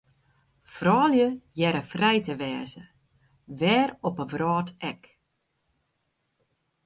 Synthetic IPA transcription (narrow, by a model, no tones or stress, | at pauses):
frɔːljəjɛɾəfrɛjtəʋɛːzə̰ | ʋɛːrɔpəʋrɔːtɛk